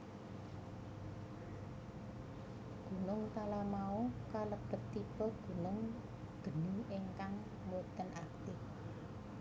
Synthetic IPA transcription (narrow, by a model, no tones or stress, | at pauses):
ɡ̥ṳnʊŋt̪alamaukaləb̥ə̤t̪ːipəɡ̥ṳnʊŋ | d̥ə̤niɪŋkaŋ | mot̪ənʔak̚t̪ɪ